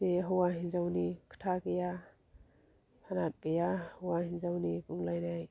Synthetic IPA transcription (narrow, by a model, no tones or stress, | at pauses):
eɦɔwaɦinzawnikʰə̥tʰakeja | pʰanat̚kejahɔwahinzawnipuŋlajnaj